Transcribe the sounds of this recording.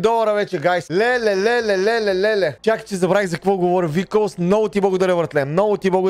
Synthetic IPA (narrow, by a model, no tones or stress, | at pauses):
d̪ɔvɐɾəvɛt͡ʃɛɡajslɛlɛlɛlɛlɛlɛlɛlɛt͡ʃakt͡ʃɛzɐbɾaizɐkɐkvɔɡovɔɾivikolˠsmnɔɡʊt̪iblˠɐɡod̪aɾəvəɾt̪lɛmnɔɡʊt̪iblˠɡ